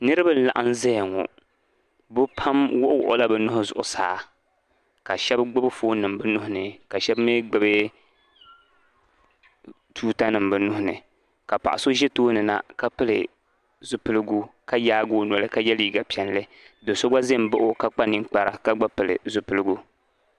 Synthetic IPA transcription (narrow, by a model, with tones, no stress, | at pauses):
nɨ˦ɾɨ˦ba˦n̩˦˨la̰˨ʔa˦n˦zɛ˦˨ŋo̰˨ | bʊ˦pʰa˦mwʊ˦ʔʊ˦wʊ̰˨ʔʊ˦la˦bɨ˦nʊ˦ʊ˦zʊ̰˨ʔʊ̰˨saː˨˦ | ka˨ʃɛ˦bɡ͡bɨ˦bɨ˦foː˦nɨ˨m˨bɨ˦nʊ˦hʊ˦nɨ˨ka˨ʃɛ˦bme˦ɡ͡bɨ˦bɨ˦ | tʰuː˦ta˦nɨ˨m˨bɨ˦nʊ˦hʊ˨nɨ̰˨ | ka˨pa̰˨ʔa˨so˦ʒɛ˦toː˦nɨ˨na̰˨ka˦pɨ˦lɨ̰˨ | zʊ˨pɨ˦lɨ˦ɡu˦ka˦jaː˦ɡoː˦nɔ˨lɨ˦ka˦jɛ˦liː˦ɡa˨pi˨ɛ˨n˦lɨ˦ | do˨so˦ɡa˦ze˦m˦ba˦ʔʊ˦ka˦k͡pa˦nɨ˦ŋ˦k͡pa˦ɾa˨ka˦ɡ͡ba˦pɨ˨lɨ̰˨zʊ˨pɨ˨lɨ˦ɡu˦